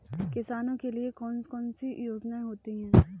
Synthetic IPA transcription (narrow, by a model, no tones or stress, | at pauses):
kɪsaːnõkeliekɔːnskɔːnsijoːd͡ʒnaːẽɦoːt̪iɦɛ̃ː